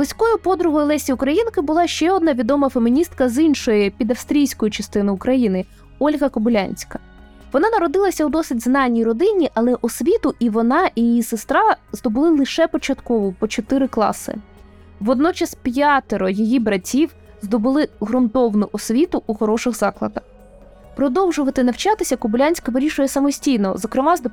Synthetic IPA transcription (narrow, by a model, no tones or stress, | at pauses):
b̪ˠʊsʲkɔjʊpɔd̪ɾʊɦɔjlˠɛsʲiʊkɾɐjinkɪbʊlˠɑʃt͡ʃɛɔd̪nɑʋʲid̪ɔmɐfemʲinʲist̪kɐzinʃɔjɪpʲid̪ɐfst̪ɾʲijsʲkɔjit͡ʃɐst̪ɪnɪʊkɾɐjinɪ | ɔlʲɦɐkɔbʊlʲanʲsʲkɐ | ʋɔnɑnɐɾɔd̪ɪlˠɐsʲɐud̪ɔsɪtʲznɑnʲːijrɔd̪ɪnʲiʔɐlˠɛʔɔsʲʋʲit̪ʊʔiʋɔnɑjijijisɪst̪ɾɑzd̪ɔbʊlˠɪlˠɪʃɛpɔt͡ʃɐt̪kɔʋɔpɔt͡ʃɔt̪ɪɾɪklˠɑ̰sɪ̰ | ʋɔd̪nɔt͡ʃɐspʲjat̪eɾɔjijibɾɐtʲiw | zd̪ɔbʊlˠɪɦɾʊnt̪ɔwnʊʔɔsʲʋʲit̪ʊʔuxɔɾɔʃɪɣzɑklˠɐ̰d̪ɐx | pɾɔd̪ɔwʒʊʋɐt̪ɪnɐwt͡ʃɑt̪ɪsʲɐkɔbʊlʲanʲsʲkɐʋɪɾʲiʃʊjɛsɐmɔsʲtʲijnɔzɔkɾɪmɑz